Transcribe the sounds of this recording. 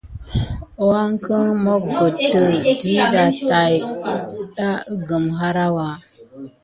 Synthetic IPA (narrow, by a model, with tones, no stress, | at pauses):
o˦wa˦ŋkə˦ŋmo˦ɡo˨tːə˨di˦da˨ta˨jɗa˦ə˦ɡə˨mɦa˦ɾa˦wa˨